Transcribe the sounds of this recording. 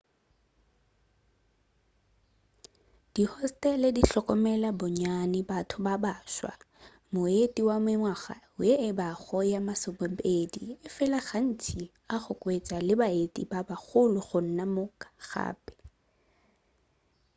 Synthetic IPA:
d̥ihɔstʼɛlediɬɔkʼɔmɛlabɔɲanɪbatʰʊbabaːʃwa̰ | mʊetʼiwamɪŋwaχa̰ | ʊjeɪbaɣɔjamasʊbɔpediɪfɪlaχan̩tʰi | aχʊkʼwet͡ʃʼalɪbaetʼḭbabaχʊlʊχʊn̩namʊkʼḁχa̰ːpʼɛ̥

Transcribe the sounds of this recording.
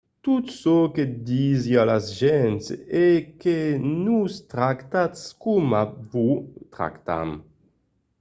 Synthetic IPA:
t̪ut̪soked̪izialazʒɛnsekenust̪ɾakt̪at̪skumavut̪ɾa̰kt̪a̰m

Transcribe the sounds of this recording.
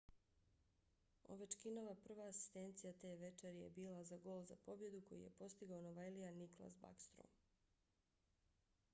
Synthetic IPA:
o̰ʋet͡ʃkino̞ʋapr̩ʋaːsi̥st̪ent̪sijat̪eːʋe̞t͡ʃeɾijḛbiːlazaɡo̞ːlˠza̰po̞bje̞d̪uko̞̰jḭje̞po̞st̪iɡaonoʋajlijaniklˠa̰sba̰kst̪ɾo̰m

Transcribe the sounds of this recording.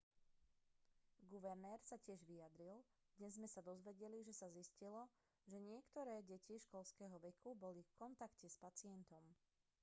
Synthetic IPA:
ɡuʋɛɾnɛːɾsacɪɛʒʋijad̪ɾil | d̪̥ɲɛzmɛsad̪ɔzʋɛɟɛliʒɛsaziscilɔ | ʒɛɲɪɛkt̪ɔɾɛːɟɛciʃkɔlskɛːɦɔʋɛkʰubɔlifkɔnt̪akcɛspat͡sɪɛnt̪ɔm

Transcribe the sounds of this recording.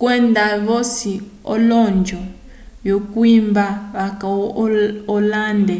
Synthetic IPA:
kwɛndaβosi | ɔ̰lɔnd͡ʒʱɔ | jokwimbaβakaɔlaːndɛ

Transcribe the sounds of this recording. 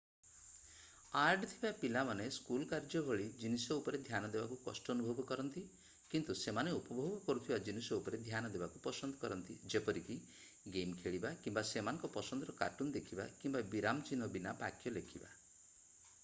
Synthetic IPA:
aɾɖɔt̪ʰibapilamaneskulkaɾd͡ʒɔbʱɔɭid͡ʒinisɔupɔɾed̪ʱjanɔd̪ebakukɔ̰sʈɔːnubʱɔbɔkɔɾɔnt̪i | kint̪usemaneupɔbʱɔbbɔkɔɾut̪ʰibad͡ʒinisɔupɔɾed̪ʱjanɔd̪ebakupɔsɔnd̪ɔkɔɾɔnt̪id͡ʒepɔɾiki | ɡemkʰeɭibakimbasemanɔ̃ŋkɔpɔsɔnd̪ɔɾɔka̰ʈund̪ekʰiba̰kimbabiɾamt͡ʃinɔbinapa̰kʰjɔlekʰiba̰

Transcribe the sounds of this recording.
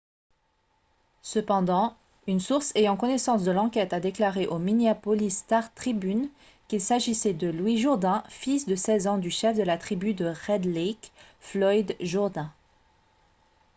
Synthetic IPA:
səpɑ̃d̪ɑ̃ | ynsuʁsejɑ̃kɔnesɑ̃sd̪əlɑ̃kʲɛt̪ad̪eklaʁeʔomineapɔlist̪aʁt̪χibyn | kʲilsaʒisɛd̪əlwiʒuʁd̪ɛ̃fisd̪əsɛzɑ̃d̪yʃɛfd̪əlat̪χibyd̪əʁɛd̪lɛk | flɔjd̪ʒuʁd̪ɛ̃

